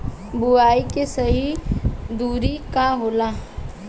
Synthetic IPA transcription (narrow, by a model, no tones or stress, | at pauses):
buaːikesəɦid̪uːɾikaɦoːla